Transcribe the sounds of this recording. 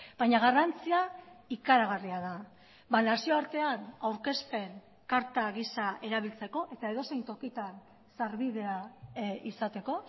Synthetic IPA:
bajɲaɣ̞arant͡siaikaɾaɣariaða | banasio̞aɾt̪e̞anawɾke̞spe̞n | kaɾt̪aɣisaʔe̞ɾaβ̞ilt͡se̞ko̞ʔe̞t̪ae̞ð̞o̞sejnt̪o̞kit̪an | saɾβiðe̞aisat̪e̞ko̞

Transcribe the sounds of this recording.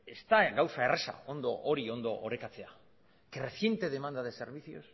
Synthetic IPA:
est̪aɣawsae̞resa̰o̞nd̪o̞ʔoɾio̞nd̪oʔoɾekat͡se̞a | kere̞θje̞nt̪e̞ð̞e̞mand̪að̞e̞se̞ɾβ̞iθio̞̰s

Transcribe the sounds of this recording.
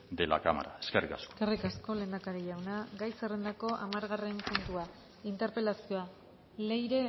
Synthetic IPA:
d̪ela̰kama̰ɾaeskerikasko̥kerikasko̞le̞ːnd̪akaɾiʎawnaɡajsere̞nd̪ako̞ʔamaɾɣare̞mpunt̪ua | int̪e̞ɾpe̞lasio̞a | le̞jɾe̞

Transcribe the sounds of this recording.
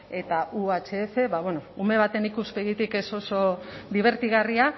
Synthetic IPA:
e̞t̪aʔuat͡ʃeːfe̞βaβweno̞ume̞β̞at̪e̞nikuspe̞ɣit̪ike̞so̞so̞ðiβ̞e̞ɾt̪iɣaria

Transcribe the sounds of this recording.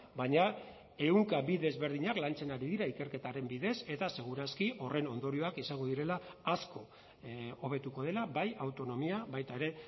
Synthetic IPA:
baɲa | e̞uŋkabiðe̞zβe̞ɾð̞iɲaklant͡se̞naɾiðiɾaike̞ɾke̞t̪aɾe̞mbiðe̞se̞t̪ase̞ɣ̞uɾaskiʔo̞re̞no̞nd̪o̞ɾio̞akisaŋɡoðiɾe̞laːsko̞ | oβ̞e̞t̪uko̞ð̞e̞laβajawt̪o̞no̞miaβajt̪aeɾe̞

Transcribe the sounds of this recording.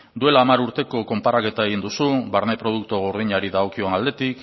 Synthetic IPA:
d̪ue̞laːmaɾuɾt̪e̞ko̞ko̞mpaɾake̞t̪ae̞ɣ̞ind̪usuβaɾne̞pɾo̞ð̞uk̚t̪oɣ̞oɾð̞iɲaɾiðaokionald̪e̞t̪ik

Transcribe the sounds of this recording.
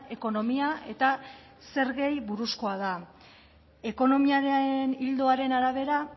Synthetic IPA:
e̞ko̞no̞miae̞t̪a | se̞ɾɣe̞jβuɾusko̞aða | e̞ko̞no̞miaɾenild̪o̞aɾe̞naɾaβ̞e̞ɾa

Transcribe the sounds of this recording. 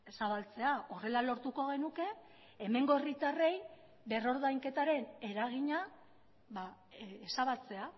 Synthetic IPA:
saβalt͡se̞aʔo̞re̞lalo̞ɾt̪uko̞ɣ̞e̞nuke̞ː | me̞ŋɡo̞erit̪are̞j | be̞ro̞ɾðajŋke̞t̪aɾe̞ne̞ɾaɣ̞iɲa | βa | esaβalt͡se̞a

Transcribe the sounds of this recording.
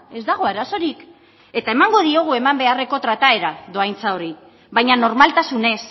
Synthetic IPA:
e̞zd̪aɣ̞o̞aɾaso̞ɾik | e̞t̪ae̞maŋɡo̞ðio̞ɣ̞ue̞mambe̞are̞ko̞t̪ɾat̪ae̞ɾaðo̞ajnt͡sao̞ɾi | βajɲano̞ɾmalt̪asune̞s

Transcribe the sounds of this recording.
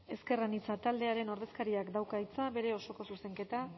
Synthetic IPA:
e̞ske̞ranit͡sat̪ald̪e̞aɾe̞no̞ɾð̞e̞skaɾiakd̪awkait͡saβe̞ɾe̞o̞so̞ko̞suse̞ŋke̞t̪a

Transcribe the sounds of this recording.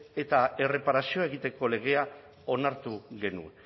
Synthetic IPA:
e̞t̪ae̞re̞paɾasio̞ae̞ɣ̞it̪e̞ko̞le̞ɣ̞e̞a | o̞naɾt̪uɣe̞nṵ

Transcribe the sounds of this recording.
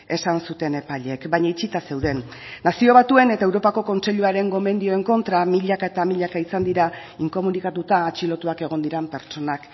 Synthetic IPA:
e̞sansut̪e̞ne̞paʎe̞kbajɲait͡sit̪ase̞wðe̞nː | asio̞β̞at̪ue̞ne̞t̪ae̞wɾo̞pako̞ko̞nt͡se̞ʎuaɾe̞ŋɡo̞me̞nd̪io̞e̞ŋko̞nt̪ɾamiʎakae̞t̪amiʎakaisand̪iɾa | iŋko̞munikat̪ut̪aːt͡ʃilo̞t̪uake̞ɣ̞o̞nd̪iɾampe̞ɾt͡ʃo̞nak

